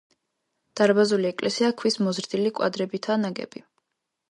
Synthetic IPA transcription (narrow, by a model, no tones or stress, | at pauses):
d̪̥aɾbazuliɛkʼlɛsiakʰwismɔzɾd̪ilikʼwa̰d̪ɾɛbit̪ʰanaɡɛ̰bi